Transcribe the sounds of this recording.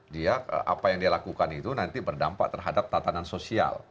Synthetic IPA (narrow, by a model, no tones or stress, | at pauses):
dia̰ʔa̰pajaŋdialakukanit̪unant̪ibərdampa̰ʔt̪ərɦadap̚t̪at̪anansosia̰l